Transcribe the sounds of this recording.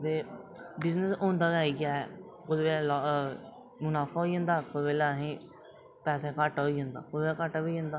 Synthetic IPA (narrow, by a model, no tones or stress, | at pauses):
d̪ebɪznəsõːnd̪aːbaːikjaɦɛː | kʊd̪eːlalɔ | mʊnaːfaɦoiɦõnd̪aːkʊʋeːlaɦẽː | pɛːsekaːʈaɦoiɦõːnd̪a̰ːkʊeːkaːʈabiɦõːnd̪aː